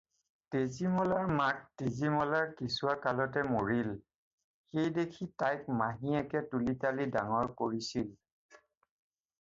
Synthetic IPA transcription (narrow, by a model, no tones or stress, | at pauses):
tezimɔlaɹmak̚tezimɔlaɹkisuwakalɔtɛmoɹil | xejdekʰitajk̚maɦĩɛkɛtulitalidaŋɔɹkoɹisil